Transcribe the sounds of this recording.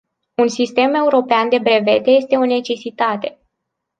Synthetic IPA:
unsist̪e̞me̞uɾo̞peand̪e̞bɾe̞ve̞t̪e̞je̞st̪e̞o̞ne̞t͡ʃe̞sit̪at̪e̞

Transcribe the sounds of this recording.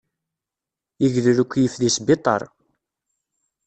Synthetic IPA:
əʝðɾukʷːjəfðisbɪt̪ˤɑ̰ɾˤ

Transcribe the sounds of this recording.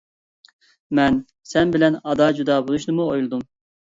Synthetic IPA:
mɛn | sɛnbɪlɛnɑd̪ɑːd͡ʒud̪ɑːbolˠuʃnɨmuojlˠɨd̪um

